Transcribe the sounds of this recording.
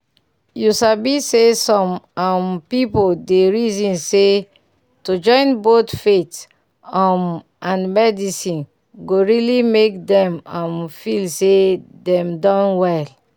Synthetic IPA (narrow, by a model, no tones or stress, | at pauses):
jusabisesɔ̃mampipodeɹizĩnse | tud͡ʒɔ̃ɪ̃nbotfet | am | ãnmɛdisĩn | ɡoɹilimek̚dɛ̃mãnfilsedɛ̃mdɔ̃nwɛl